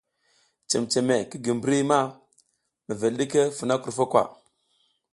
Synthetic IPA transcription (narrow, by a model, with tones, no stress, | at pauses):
t͡ʃe˨mt͡ʃe˨me˨ki˦ɡi˨mbɾi˦ma˦ | mə˨ve˨lɗi˦ke˦fu˨na˦ku˨fa˦kwa̰˨